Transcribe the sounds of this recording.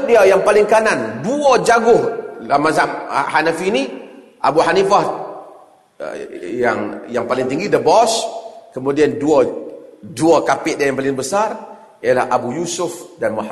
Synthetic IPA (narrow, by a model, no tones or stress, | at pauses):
diajaŋpalɪŋkananduad͡ʒaɡʊhlamasamhanafini | ʔa̰buħanifah | jaŋjaŋpalɪŋt̪iŋɡidəbɔskəmudiandua | duakapɪʔdiajaŋpalɪŋbəsar | ijala̰habujusʊfdanmu